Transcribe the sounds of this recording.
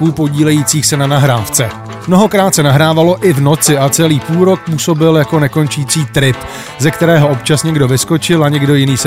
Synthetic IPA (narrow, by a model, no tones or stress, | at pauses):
uːpo̞ɟiːlɛjiːt͡siːxsɛnanaɦɾaːft͡sɛ | mno̞ɦo̞kɾaːt̪sɛnaɦɾaːvalo̞ʔɪvno̞t͡sɪʔat͡sɛliːpuːlɾo̞k̚puːso̞bɪljako̞nɛko̞nt͡ʃiːt͡siːt̪ɾɪp | zɛkt̪ɛɾɛːɦo̞ʔo̞pt͡ʃasɲɛɡdo̞vɪsko̞t͡ʃɪlaɲɛɡdo̞jɪniːs